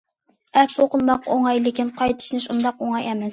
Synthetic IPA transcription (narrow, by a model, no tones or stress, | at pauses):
ɛpoqəlˠmɑqʰo̰ŋɑjlɪkʲinqʰɑjt̪ʰɨ̥ʃnɨʃund̪ɑqoŋɑjɛmɪs